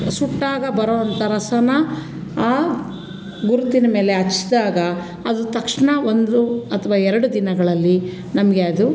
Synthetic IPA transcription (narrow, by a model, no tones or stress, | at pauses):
suʈːaːɡɐbɐɾoːʋɐnt̪ɐɾɐsɐnɐ | aː | ɡuɾut̪inɐme̞ːle̞ɐt͡ʃːd̪aːɡɐ | ɐd̪ut̪ɐkʂɳɐond̪uɐt̪ʰɐʋaːɛɾɐɽud̪inɐɡɐɭɐlːi | nɐmɐɡeɐd̪u